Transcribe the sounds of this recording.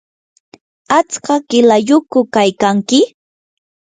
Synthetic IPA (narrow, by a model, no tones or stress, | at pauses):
at͡skɑkɪlajʊkʊkajkaŋkɪ